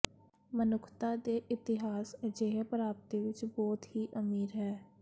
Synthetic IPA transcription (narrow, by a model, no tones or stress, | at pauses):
mənʊkʰt̪aːd̪eːʔɪt̪ɪɦaːsd͡ʒeɦpəɾaːp̚t̪iʋɪt͡ʃbɔːt̪hiːʔəmiːɾɦɛː